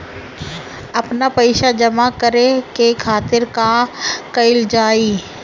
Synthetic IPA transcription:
ɐpnapəɪʃad͡ʒɐmakəɾekekʰaːt̪ɪɾkakɐɪld͡ʒaːiː

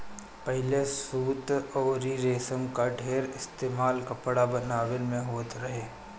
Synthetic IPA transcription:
pɛɦɪlesuːt̪ɔːɾiɾeːsə̃ŋkaɖʱeːɾɪst̪eːmaːlkɐpɽabɐnaːwɪlmẽɦoːt̪ɾɐɦeː

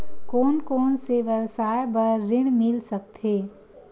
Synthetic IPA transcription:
kɔːnkɔːnseʋjəwsaːjbəɾːɪɽ̃mɪlsəkt̪ɦeː

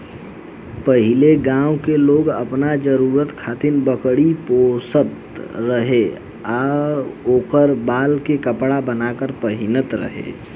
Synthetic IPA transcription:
pəɦɪleɡãːwkeloːɡə̰pnad͡ʒəɾuːɾət̪kʰaːt̪ɪnbəkɽipoːsət̪ɾəɦe | a | oːkəɾbaːlkekəpɽabənakəɾpəɦɪnət̪ɾə̰ɦḛ

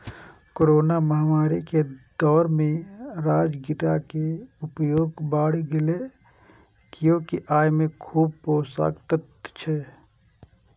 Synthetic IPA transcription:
koːɾoːnaməɦmaːɾiked̪ɔːɾmẽɾaːd͡ʒɡɪʈakeʊpjoːɡbaːɽ̤ɡɪle | kjõkiʔaːjmẽkʰuːb̚poːsa̰ːkt̪ət̪ | t͡ʃʰɛ

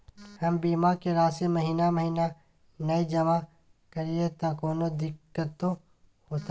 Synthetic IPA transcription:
hɐmbiːmakeɾaːsemɐɦiːnaməɦiːna | nɐid͡ʒɐma | kəɾiet̪ãkoːnod̪ɪkːət̪ːõ | ɦoːt̪a

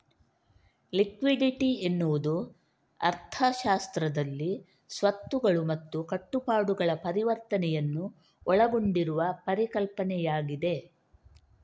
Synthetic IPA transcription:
likʋiɖiʈienːuʋud̪u | ɐ̰ɾt̪ʰɐʃaːst̪ɾɐd̪ɐlːi | sʋɐt̪ːuɡɐɭumɐt̪ːukɐʈːupaːɽuɡɐɭɐpɐɾiʋɐɾt̪ɐnɛjɐnːu | ɔɭɐɡo̞ɳɖiɾuʋɐpɐɾikɐlpɐnɛjaːɡid̪e̞

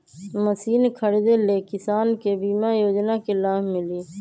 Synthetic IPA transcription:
məsiːnkʰəɽed̪elekɪsaːnkebiːmajoːd͡ʒnakelaːɦmɪliː

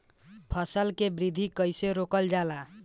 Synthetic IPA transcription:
pʰəsəlkebɾid̪ʱikəjseɾokəld͡ʒala

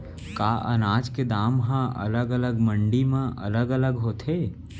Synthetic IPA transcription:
kaːʔə̰naːd͡ʒked̪aːmɦãʔə̰ləɡələɡməɳɖimãʔə̰ləɡələɡɦoːt̪eː

